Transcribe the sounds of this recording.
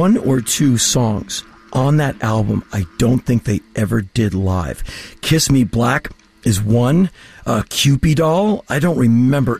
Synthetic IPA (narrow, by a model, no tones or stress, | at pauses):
ʌ̃nə˞tʰʉsɔ̃ŋz̥ | ʔə̃nðɨɾælˠbə̃maɪd̥õʊ̃nθɪ̃ŋk̚ðeɪʔɛvə˞dɪdˡla̰ɪv̥kʰɪsmiblæk | ɨzwʌ̃nʌkʰj̥ʉpidɔlˠaɪɾõʊ̃nʔɹɨmɛ̃mbə˞